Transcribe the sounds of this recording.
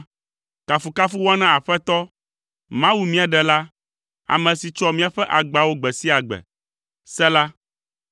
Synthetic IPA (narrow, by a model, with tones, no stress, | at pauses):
ka˨fu˨ka˦fu˦wɔ˦a˦nã˦a˨ɸɛ˦t̪ɔ˦ | mã˦wu˨mĩ˦a˨ɖɛ˨la˦ | a̰˨mɛ̃˨si˨t͡ʃɔ˦mĩ˦a˨ɸɛ˦ʔa˨ɡ͡ba˨wo˦ɡ͡bɛ˨si˦a˨ɡ͡bɛ̰˨ | sɛ˦la˦